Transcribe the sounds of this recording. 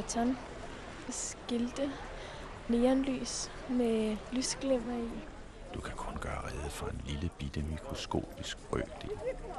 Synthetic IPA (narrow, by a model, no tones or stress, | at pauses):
æt͡sʰɑn | sɡ̥eld̥ə | neːɐnly̰ːs | melysɡ̥lemɐi | d̥ukʰækʰɔ̽nɡ̥æːʁɛð̞ˠəfɒ̽e̝nliləb̥id̥əmikʰʁo̝sɡ̥o̝̰ːb̥isɡ̥ʁœ̰ːd̥e̝̰l